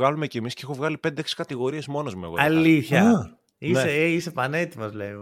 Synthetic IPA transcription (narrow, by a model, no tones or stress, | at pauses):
ɣɐlume̞cemisceixovɣɐlipe̞nd̪eeksi̥kɐt̪iɣo̞ɾie̞zmo̞no̞zmuḛɣoɐlliθçɐ | ineseisepɐnet̪imɐzlei